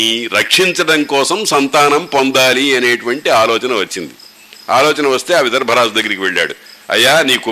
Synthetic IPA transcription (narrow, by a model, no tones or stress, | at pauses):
iɾɐkʂiɲt͡ʃɐɽɐŋkɔːsɐmsɐnt̪aːnɐmpond̪aːliɐneːʈuʋɐɳʈiaːlɔːt͡ʃɐnɐʋɐt͡ʃːind̪i | aːlɔːt͡ʃɐnɐʋɐst̪e̞ːɐʋit̪ɐɾɐbʱɐɾaːd͡ʒd̪ɐɡːɐɾikiʋeɭːa̰ːɽuɐ̰jːaːniːku